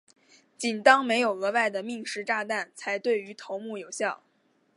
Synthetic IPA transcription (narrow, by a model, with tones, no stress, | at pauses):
t͡ɕi˨˩nt̪ɑ˥ŋme˧˥ɪjo˨˩ʊɤ˧˥wa˥˩ɪd̪ə˩mi˥˩˧ŋʂɻ̩˥ʈ͡ʂa˥˧t̪a˥˩nt͡sʰa˧˥ɪt̪we˥˩ɪy˧˥t̪ʰo˧˥ʊmu˥˩jo˨˩ʊɕjɑ˥˩ʊ